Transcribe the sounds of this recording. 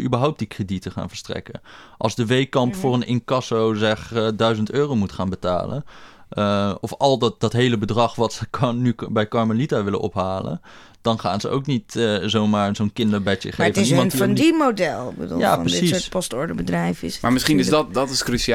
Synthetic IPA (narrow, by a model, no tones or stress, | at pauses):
ybəɹɦɔwp̚dikreditəχa̰ːnvəɹstrɛ̰kə̰nʔɑlˠzdəʋejkɑmpfʊːrənɪnkɑsowzɛχdœɥzəntøːrowmutχaːnbəta̰ːlə̰n | ɔfɑlˠddɑtɦejləbədrɑχʋɑtsəknybɛjkɑɹmalitaʋɪlə̰nʔɔ̰pɦaːlə̰n | d̥ɑnχa̰ːnzəʔo̰wknitːzowmaːɹzownkɪndəɹbɛə̰χefɪsnimnɔndimodɛlˠɪɡ̚bədṵːljaaːprədsisspɔstɔɹdəbədrɛjfɪ̰smaːɹmɪsχinɪsdtdɑtɪskrysia